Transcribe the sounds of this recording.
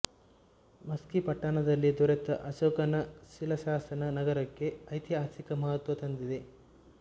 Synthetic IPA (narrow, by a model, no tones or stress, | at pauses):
mɐskipɐʈːaːnɐd̪ɐlːid̪uɾet̪ɐʔɐʃoːkɐnɐʃilɐʃaːsɐnɐnɐɡɐɾɐkːe̞ɐjt̪jaːt͡ʃikɐmɐɦɐt̪ʋɐt̪ɐnd̪id̪e̞